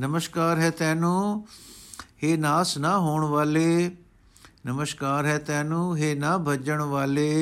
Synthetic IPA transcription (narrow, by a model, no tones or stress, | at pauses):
nəməʃkaːɾɦɛːt̪ɛ̃ːnũː | heːnaːsnaːɦoːɳ̃ʋaːleː | nəməʃkaːɾɦɛːt̪ɛ̃ːnũːɦeːnaːbʱɐd͡ʒəɽ̃ʋaːleː